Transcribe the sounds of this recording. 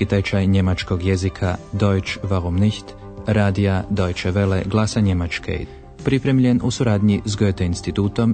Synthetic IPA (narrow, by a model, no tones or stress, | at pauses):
it̪ajt͡ʃajɲe̞mat͡ʃko̞ɡjezikʰad̪o̞jt͡ʃʋaɣomniçt̪ | ɾaːd̪iad̪o̞jt͡ʃeʋeleɡlˠaːsaɲe̞mat͡ʃkḛ | pɾipɾe̞mʎe̞nusuɾaːd̪ɲizɡøːt̪einst̪it̪uːt̪o̞m